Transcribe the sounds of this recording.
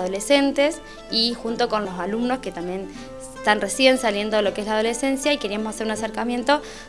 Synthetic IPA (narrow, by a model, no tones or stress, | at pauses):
ðo̞lese̞nt̪es | ixunt̪o̞ko̞nlo̞salumno̞sket̪ambje̞n | t̪anresje̞nsalje̞nd̪o̞ðelo̞keeslað̞o̞lese̞nsjaikeɾiamosaseɾunaseɾkamje̞nt̪o̞